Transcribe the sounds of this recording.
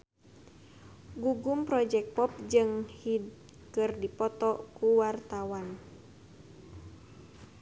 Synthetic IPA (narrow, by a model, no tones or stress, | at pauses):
ɡuɡumpɾɔd͡ʒɛk̚pɔp̚d͡ʒɨŋhid | kɨrdipɔt̪ɔkuwart̪awan